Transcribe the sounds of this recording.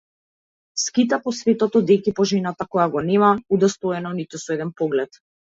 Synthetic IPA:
skit̪apɔsvɛt̪ɔt̪ɔd̪ɛkipɔʒɛnat̪akɔjaɡɔnɛmaud̪ɛst̪ɔɛnɔnit̪usɔɛd̪ɛnpɔɡlɛt̪

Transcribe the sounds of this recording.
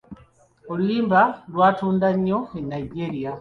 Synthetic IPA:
oluiːmbalwaːtuːndaɲːo̞enaiɟeːɾia

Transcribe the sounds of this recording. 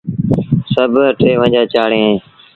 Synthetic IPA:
səbʱəʈʰeːʋə̃d͡ʒaːt͡ʃaːɽẽː

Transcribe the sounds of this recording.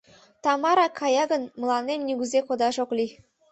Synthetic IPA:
t̪ɑmɑɾɑkʰɑjɑɡɤ̆nmɤ̆lˠɑnʲːemnʲiɡʲyzʲekŏd̪ɑʒoklʲi

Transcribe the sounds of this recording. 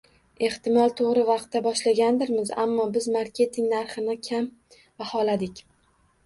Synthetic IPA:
e̞ht̪ɪmɒlˠt̪ʰoʁɾɪvɑq̚t̪ːabɒʃlaɡʲand̪ɪɾmɪza̰mːɒbɪzmaɾkʲʰe̞t̪ʰɪŋnaɾχɪnɪkʲʰam | vahɒlad̪ɪkʲ

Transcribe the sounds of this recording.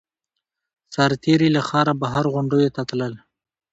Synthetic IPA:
saɾt̪eɾilaxɑɾabaɦaɾɣʊɳɖojot̪at̪ləl

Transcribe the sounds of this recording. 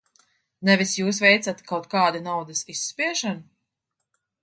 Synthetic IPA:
nɛvisjuːs̬vɛjt̪sat̪kawt̪̚kaːd̪anawd̪asisːpiɛʃanu

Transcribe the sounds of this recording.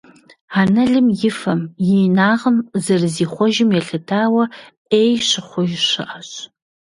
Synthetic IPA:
anɐɮɨmjɪfɐmjijnaːʁəmzɐrziːχʷɔʒɪmjɛɬɨtʰaːwɐ | eːjʃɨχʷʊjɕɨ̰ʔaɕ

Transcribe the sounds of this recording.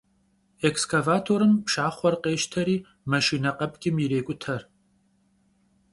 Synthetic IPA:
ekskʰavaːtʰoːɾɨmpʃaːχʷɔrqeːʃtʰɐɾiː | mɐʃiːnɐqɐpʼɡʲʼɪmjɪɾeːkʷʼʊtʰɐr

